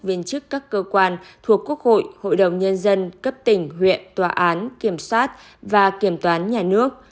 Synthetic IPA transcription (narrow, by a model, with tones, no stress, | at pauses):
vi˧ənt͡ɕɨ˦˥kːaː˦˥kːəː˧kwaː˧nt̪ʰu˨˩əkːu˦˥ək̚ho̰˧˨jho̰˧˨jɗə˨˩wŋ͡mɲə˧nzə˧nkə˦˥p̚t̪ï˧˩ŋ̟ɦwḭ˧˨ənt̪waː˨˩ʔaː˨˦nki˧˩əmswaː˦˥t̚ | vaː˨˩ki˧˩əmt̪waː˨˦nɲaː˨˩nɨ˦˥ək̚